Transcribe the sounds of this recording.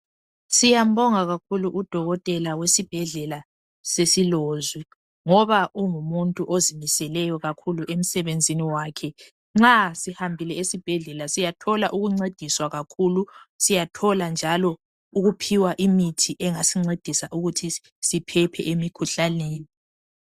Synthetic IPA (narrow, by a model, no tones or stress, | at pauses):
sijam̩bɔŋaɣakʰuluʔud̥ʱɔɣɔtʼɛlawesib̥ʱɛɮɛla | sesiloːzi | ŋɔβauŋumuntʼuʔozimisɛlɛjɔɣakʰuluʔem̩sɛβend͡zʱiniwaːkʰɛ | ŋ͡ǁasihambʱilɛesib̥ʱɛɮɛlasijatʰɔlaʔuɣuŋ͡ǀed̥ʱiswaɣakʰulusijatʰɔland͡ʒʱalɔ | uɣupʰiwaʔimitʰiʔɛŋasiŋ͡ǀed̥ʱisaʔuɣutʰi | sipʰɛpʰɛ̰ʔemikʰuɬaneːji